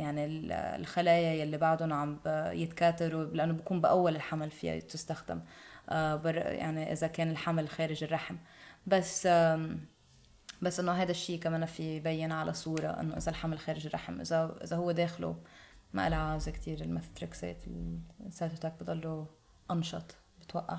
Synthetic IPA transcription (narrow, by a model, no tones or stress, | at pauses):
jaʕnil̰lxalaːjajalːibaʕd̪ʊnʕambjɪt̪kaːt̪aɾulɪʔanːobakuːmbɪʔawːalɪlħamalfɪ̰ja̰t̪ɪst̪axd̪ɪ̰mʔabɑrˤja̰ʕniʔɪ̰zakeːnɪlħamalxeːɾɪʒɪrˤːɑħmbasː | basːʔɪnːoɦajd̪aʃːiːkameːnafibajːɪnʕalʔasˤuːɾˤɑ̰ʔɪ̰nːoʔɪ̰zalħamalxeːɾɪʒɪrˤːɑ̰ħmʔɪ̰zaʔɪ̰zahʊwːed̪eːxlṵma̰ʔa̰lʕaːzɪkt̪ʰiːɾɪlmatt̪ɾˤɑksḛːʔt̪lsaːt̪ɪt̪aːk̚bɪd̪ˤɑlːu | ʔɑnʃɑt̪ˤ | bɪt̪waʔːa